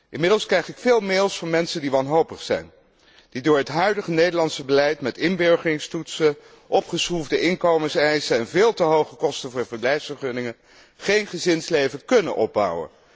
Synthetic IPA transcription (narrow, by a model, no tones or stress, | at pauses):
ʔɪnmɪdəlˠskrɛjχɪkfɪːlˠmeːlˠsfʊːɹmɛnsəndiʋɑnɦowpəχsɛ̰jn | d̥idʊːɹɦətɦœɥdəχənejdəɹlɑntsəbəlɛjtmɛtɪnbøɹχərɪŋstutsə | ʔɔpχəsχuvdəʔɪŋkowməsɛjsəɛnvɪːlˠtəɦowχəkɔstənvʊːɹvəɹblɛjfsfəɹχʏnɪŋən | χejnχəzɪnslejvənkɵnə̰nʔɔ̰b̚bɑ̰wə̰n